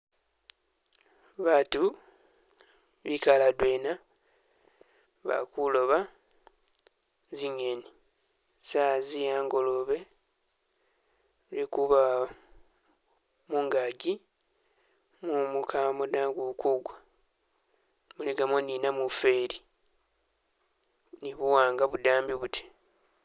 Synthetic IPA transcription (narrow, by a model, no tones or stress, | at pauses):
βatu | βikaladweːna | βa̰kulo̞βa | ziɲeni | sazijaːŋɡo̞loβe̞ | ɾekuβa | muŋɡaɟi | mumukʰamodaɡukuɡwa | muliɡamoninamufe̞ɾi | niβuwaːŋɡaβudaːmbiβutʰi̥